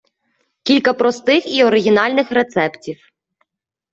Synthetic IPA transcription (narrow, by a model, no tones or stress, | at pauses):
kʲilʲkɐpɾɔst̪ɪxiɔɾɪɦʲinɑlʲnɪxɾet̪sɛptʲiw